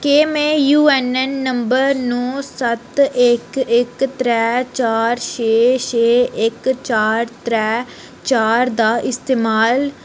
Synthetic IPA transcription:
keːmeːjuːɛːnɛnːəmbəɾnõːsət̪ɪkɪkt̪ɾɛːt͡ʃaːɾʃeːʃeːɪkt͡ʃaːɾt̪ɾɛː | t͡ʃaːɾd̪aːʔɪst̪eːmaːl

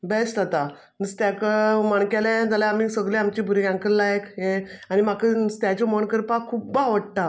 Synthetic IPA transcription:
besʈ̪at̪a | nəst̪jakəmaɳkalẽd͡zalaamisəɡleamt͡ɕibʱuɾiãŋkəɾlajekɦeanimakəst̪jat͡ɕɔmoɳkəɾpakʰubaʋəɽʈ̪a

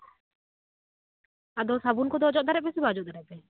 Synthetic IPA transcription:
ad̪ɔsabunkɔd̪ɔd͡ʒɔʔ̚d̪aɾɛʔ̚bɛsibad͡ʒɔʔd̪aɾɛʔ̚bɛ

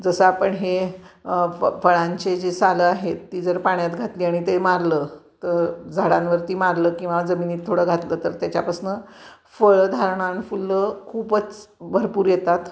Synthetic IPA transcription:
d͡zəsəapəɳɦe | fəɭãɲt͡ɕed͡ʑesaləaɦet̪ːiːd͡zəɾpaɳjat̪ɡʱat̪liːaɽ̃it̪emaɾləːt̪əɾd͡zʱaɽãnʋəɾt̪iːmaɾləːkĩw̃ʋad͡zəmiːniːt̪ʰːoɽəːɡʱat̪ləːt̪əɾt̪jat͡ɕapasnə | fəɭəd̪ʱaɾɳãnfulːəkʰuːbət͡sbʱəɾpuːɾjet̪at̪

